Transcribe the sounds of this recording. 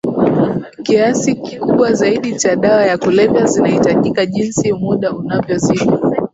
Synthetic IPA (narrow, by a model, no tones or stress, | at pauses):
kiasikikuɓwazaiɗit͡ʃaɗawajakulɛvjazinahitaʄikaʄinsimuɗaunavjɔziɗi